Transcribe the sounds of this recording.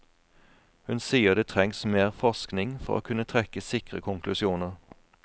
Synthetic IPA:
hʉnsiːəʁd̪eːt̪ʰʁɛŋsmeːʁfɔʁsknɪŋfɔ̰ʁo̰ːkʰʉnət̪ʰʁɛkəsɪkʁəkʰʊŋklʉsɪuːnəʁ

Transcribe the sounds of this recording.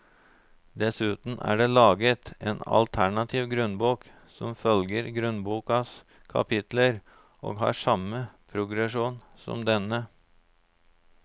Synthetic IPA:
d̪ɛsʉːt̪n̩æ̰ːɖeːlɑːɡət̪eːnɑ̰lt̪ʰæɳɑt̪ʰiːʋɡɾʉnbuːk | sɔmfœlɡəɾɡɾʉnbuːkɑs | kʰɑ̰pʰɪt̪ləɾ | ʔo̰ːɡɦɑ̰ːʂɑməpʰɾʊɡɾɛʂuːn | sɔ̰md̪ɛnə

